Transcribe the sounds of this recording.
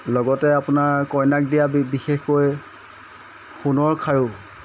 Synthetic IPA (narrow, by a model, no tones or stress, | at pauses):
lɔɡɔtɛapʊnaɹkɔjnak̚dijabixexkoj | xunɔɹkʰaɹu